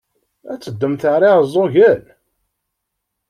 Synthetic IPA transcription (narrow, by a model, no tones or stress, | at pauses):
æt͡sːəd̪ːəmθəʕɾˤiʁəzˤːoʝəl